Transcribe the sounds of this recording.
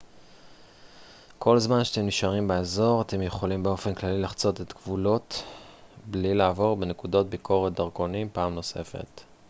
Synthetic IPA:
kʰo̞lzmanʃe̥t̪emniʃaʁimbeezo̞ʁate̞mjeχo̞limbeo̞fe̞nklalilaχt͡so̞tetkvulo̞t | blilaːvo̞ʁbe̞ne̞kudot̚bikʰo̞ʁet̪̚daʁɡo̞nimpaːmno̞se̞̰fe̞̰t

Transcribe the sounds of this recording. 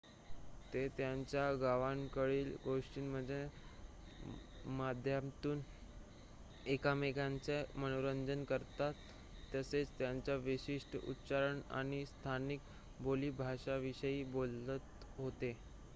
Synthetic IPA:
t̪et̪jaɲt͡ɕjaɡaʋaŋkəɭiːlɡoʂʈiːnməd͡ze | mad̪ʱjamt̪uːn | ekameɡãnt͡semənoɾəɲd͡ʑənkəɾt̪at̪ː | əset͡st̪jaɲt͡ɕjaʋiɕiʂʈəṵtːt͡saɾəɳa̰ñist̪ʰanik | boliːbʱaʂaʋiɕəiːbolːət̪ɦot̪e

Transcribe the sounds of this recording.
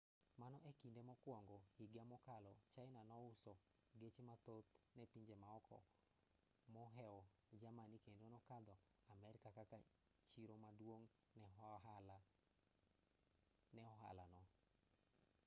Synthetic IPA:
manɔʔekindemɔkwɔŋɡɔhiɡamɔkalɔt͡ʃaɪnanɔʊsɔ | ɡet͡ʃemat̪ot̪nɛpiɲd͡ʒemaɔkʰɔ̰ | mɔɦɛɔ | d͡ʒamanikendonɔkad̪ɔ | amɛɾkakaka | t͡ʃiɾomadwoŋ | nɛl | nɛɔɦa̰la̰nɔ

